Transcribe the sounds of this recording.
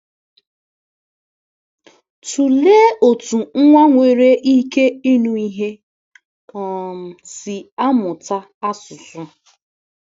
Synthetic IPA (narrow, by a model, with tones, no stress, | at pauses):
tu˨leː˦o˨tu˨ŋ̩˦ŋʷa˦ŋʷe˨ɾe˦ʔi˦ke˦i˦nu˨i˦ɦe˦ | ɔ˨m̩˨sɪ˨a˦mʊ˨ta˦ | a˦sʊ˨sʊ˦